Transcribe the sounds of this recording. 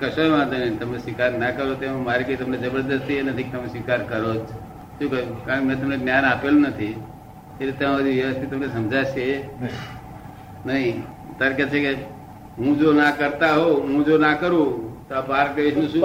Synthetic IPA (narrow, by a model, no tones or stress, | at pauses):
kəsoẽʋãd̪onĩt̪əmnesʋɪkaɾnakəɾot̪ẽmaɾikoit̪ɐmned͡ʒəbəɾd̪əst̪ienəd̪ʱik̚t̪ɐmesʋɪkaːɾkəɾod͡ʒ | ʃũkəukãkmẽt̪ɐmneɡnjanapelunət̪ʰi | t̪eɾit̪ɐmãəd̪iʋjəʋəst̪ʰit̪ɐmnesɐmd͡ʒʱaʃe | nəɦĩ | t̪əɾkət̪̚t͡ʃʰeke | ɦũd͡ʒonakəɾt̪aɦoɦũd͡ʒonakəɾũt̪oapaɾkleʋisnũʃũ